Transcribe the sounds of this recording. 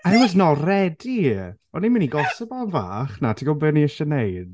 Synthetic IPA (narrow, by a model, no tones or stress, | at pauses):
aɛmədnɔlˠrɛdii | ɔnːiməniɡɔsɔbanva̰ːχnatʰiɡɔbəniəʃɛnejd̥